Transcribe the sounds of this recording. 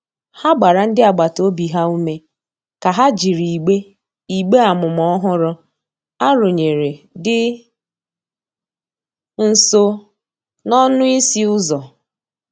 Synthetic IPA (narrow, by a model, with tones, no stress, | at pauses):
ha˦ɡ͡ba˨ɾa˨n̩˦dɪ˦a˨ɡ͡ba˨to˦bi˨ɦa˦u˦me˦ | ka˨ɦa˦d͡ʒi˨ɾi˨ɡ͡be˦ | i˨ɡ͡be˦a˨mʊ˨m˨ɔ˦ɦʊ˦ɾʊ˦ | a˦ɾo˨ɲe˨ɾe˨ | dɪ˦ | n̩˨so˦ | nɔ˦nʊ˦i˦si˦ʊ˦zɔ˨